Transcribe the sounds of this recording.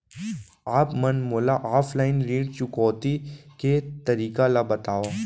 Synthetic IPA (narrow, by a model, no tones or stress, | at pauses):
aːpmɐnmoːlaʔaːfʰlaːɪnɾiːɖt͡ʃʊkɔːt̪iket̪ɐɾiːkalabɐt̪aːoː